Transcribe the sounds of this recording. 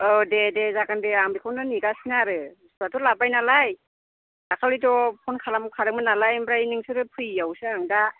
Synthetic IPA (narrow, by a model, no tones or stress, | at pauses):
ɔdedezaɡandeaŋbikʰɔndɯniɡasinaɾɯstuatɔlabajnalaj | dakʰalidɔpʰɔnkʰalamɔkʰaɾɯk̚mɯnalajmɾainɯŋsɯɾɯpʰɯjawsɯŋda